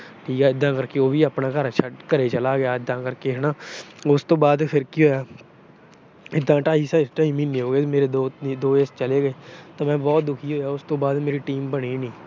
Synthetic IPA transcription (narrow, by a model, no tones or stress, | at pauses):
ʈʰiːkɛːɪd̪ːãːkəɾkeːoːʋiːaːpnãːkəɾat͡ʃʰakəɾeːt͡ʃəlaːɡɪjaːɪd̪ːãːkəɾkeːɦnaːʊst̪õːbaːd̪pʰɪɾkiːɦoːjaː | ɪd̪ːãːʈaːɦiːsaʈaːiːmĩːnːeːɦoːɡeːmeːɾeːd̪oːd̪oːest͡ʃəleːɡəeːt̪ãːmɛ̃ːbɔːt̪̚d̪ʊkʰiːɦoːjaːʊst̪õːbaːd̪meːɾiːʈiːmbəɽiːnĩː